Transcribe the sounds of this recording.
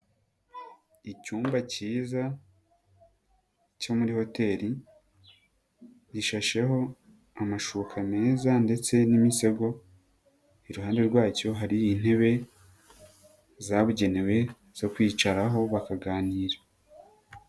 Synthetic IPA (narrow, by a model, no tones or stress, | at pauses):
icuːmbaciːza | co̞muɾiho̞te̞ːɾi | diʃaʃe̞ɦo̞ | amaʃukʰame̞ːzande̞t͡se̞nimise̞ɡo̞ | iɾuɦaːnde̞ɾɡwaːco̞ɦaɾiːn̥e̞βe̞ | zaβuɟe̞ne̞we̞ | z̥o̞kwiːt͡ʃaɾaɦo̞βakaɡaːniːɾa